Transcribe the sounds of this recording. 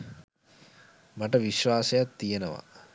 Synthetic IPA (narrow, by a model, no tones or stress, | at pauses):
maʈəʋiʃʋaːsejat̪ːijenəʋa̰